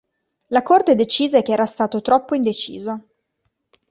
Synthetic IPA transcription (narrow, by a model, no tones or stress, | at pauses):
lakort̪ed̪et͡ʃiːzek̟eɛːɾast̪aːt̪ot̪ɾɔpːoind̪et͡ʃḭːzo